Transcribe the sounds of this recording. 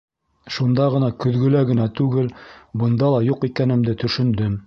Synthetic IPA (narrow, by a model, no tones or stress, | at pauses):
ʃund̪ɑʁɤ̆nɑkɵ̆ðɡɵ̆læɡɘ̆nɑt̪ʉɡɘlbɤ̆nd̪ɑlˠɑjuqikænɘ̆md̪ɘt̪ɵ̆ʃɵ̆nd̪ɵm